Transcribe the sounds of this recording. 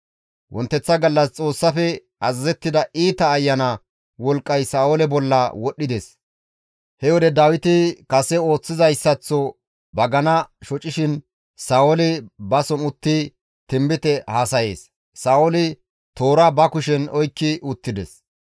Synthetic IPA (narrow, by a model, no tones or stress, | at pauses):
wʔɔ̰nt̪ːɛt͡sːɐɡɐlːɐst͡sʼo̞ːsːɐfɛ | ɐzɐzɛt̪ːɪd̪ɐʔiːt̪ɐːjːɐnɐ | wɔlkʼːɐjsaːwolɛbɔlːɐwɔɗːɪd̪ɛs | hɛwɔd̪ɛd̪aːwɪt̪ɪkɐsɛo̞ːt͡sːɪzɐjsːɐt͡sːɔ | bɐɡɐnɐʃɔt͡ʃʼːɪʃɪn | saːɔlɪbɐsɔnʊt̪ːɪ | t̪ɪmbɪt̪ɛhaːsɐje̞ːs | saːɔlɪ | t̪o̞ːɾabɐkʊʃɛnɔjkːɪʊt̪ːɪd̪ɛs